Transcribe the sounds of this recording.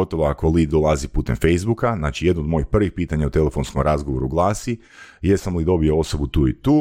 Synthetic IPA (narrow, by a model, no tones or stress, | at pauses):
ot̪oʋoako̞liːd̪̚d̪olˠazipuːt̪emfe̞jzbukaznaːt͡ʃije̞d̪nod̪mo̞jipr̩ʋixpiːt̪aɲaut̪e̞lefo̞nskomɾazɡoʋo̞ɾuɡlˠaːsi | jesamlid̪o̞bio̞o̞so̞but̪uːḭt̪uː